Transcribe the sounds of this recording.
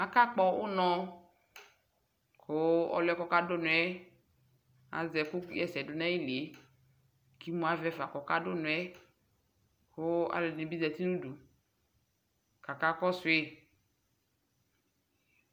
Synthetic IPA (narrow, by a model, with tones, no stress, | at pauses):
a˨ka˦k͡pɔ˦wo˦nɔ̃˦ | ko˨˦ɔ̰˨˦lɛ˦kɔ˦ka˦do˦nũ˨ɛ˦ | a̰˨zɛ˨ku˦jɛ˨sɛ˨do˨nã˦i˦li˨e˨˦ | ki˦mũ˦a˨˦vɛ˦fa˨kɔ˨ka˦ɖo˦nũ˨˦ɛ˦ | ko˦a̰˨le˨nĩ˨bi˦zɛ˨t̪i˦nũ˦du˨ | ka˨ka˦kɔ˦sʊ˨˦e˦